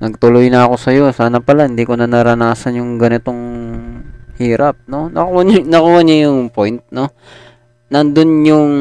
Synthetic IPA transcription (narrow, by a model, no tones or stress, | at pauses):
nɐɡ̚t̪ʊlʊjnɐɐko̞sɐjo̞saːnɐpɐlahɪnd̪iːko̞nɐnɐɾɐnaːsɐnjʊŋɡɐnɪt̪o̞ŋ | hiːɾap̚no̞nɐkwannɐkʊwanɐjʊŋpo̞jnt̪̚no̞ | nɐnd̪onjʊŋ